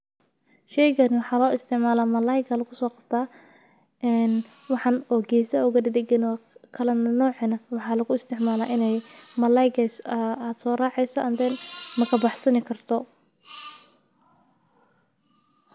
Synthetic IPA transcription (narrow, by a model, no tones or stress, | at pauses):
ʃɛjɣɐnɪwɑħɑːlɔːɪst̪ʰɪʕmaːlaːmɐlajɡɐlɐkʰʊsɔːqɑb̥t̪ʰaː | ʔɛːn | wɑħɑnɔːɡɛjsɐʊɣɐd̪ɪd̪ɛɡɐnɔːkʰɐlɐnɐnɔːʕɛnɐwɑħɑːlɐɣʊɪst̪ʰɪʕmaːlaːʔɪnɛjmɐlajɡɛsaːd̪̥sɔːrɑːʕɛjsɐʔɐnd̪ɛnmɐkʰɐbɑħsɐnɪkʰɐrt̪ʰɔ